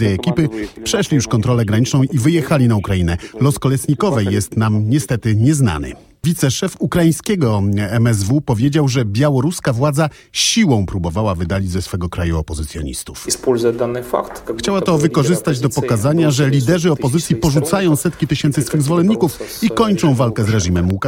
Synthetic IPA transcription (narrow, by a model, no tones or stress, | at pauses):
jɛɛkʲipɘpʂɛʂlʲijuʂkɔnt̪ɾɔlɛɡɾaɲit͡ʂnɔ̃w̃ʔivɘjɛxalʲinaukɾajinɛlɔskɔlɛt̪sɲikɔvɛjːɛst̪namɲɛst̪ɛt̪ɘɲɛzna̰nɘ̰ | vʲit̪sɛʂɛfukɾajĩj̃skʲɛɡɔɛmɛzvupɔvʲjed͡ʑawʐɛbʲjawɔɾuskavwad̪za | ɕiwɔ̃w̃pɾubɔvawavɘd̪alʲid͡ʑzɛsfɛɡɔkɾajuɔpɔzɘt̪sʲjɔ̰ɲḭst̪ufspulzad̪anɘfa̰kt̪xt͡ɕawat̪ɔvɘkɔʐɘst̪ad͡ʑd̪ɔpɔkazaɲaʐɛlʲid̪ɛʐɘɔpɔzɘt̪sʲjipɔʐut̪sajɔ̃w̃sɛt̪kʲit̪ɘɕɛnt̪sɘsfɘɣzvɔlɛnɲikufikɔɲt͡ʂɔ̃w̃valkɛzɾɛʐimɛmuka